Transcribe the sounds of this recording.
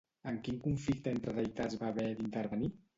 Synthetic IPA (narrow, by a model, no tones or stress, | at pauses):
əŋkiŋkuɱflik̚t̪əent̪ɾəðəjt̪azβaβɛd̪int̪əɾβəni